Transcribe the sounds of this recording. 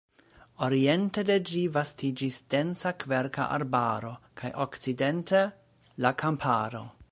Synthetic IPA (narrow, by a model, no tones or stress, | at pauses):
oɾie̞nteded͡ʒivastid͡ʒisd̥e̞nsakveɾka̰ʔa̰ɾbaɾo̞kʰajʔokt͡sidentʰe | lakʰampʰaɾo̞̰